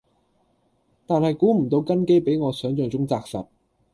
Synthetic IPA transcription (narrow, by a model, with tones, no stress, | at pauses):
t̪aː˨˧nhɐ˨jkuː˨˥m̩˨˩t̪o˨˧wkɐ˥nke˥jpe˨˥jŋɔː˨˧sœː˨˥ŋt͡ʃœː˨ŋt͡sʊ˥ŋt͡saː˧k̚sɐ̰˨t̚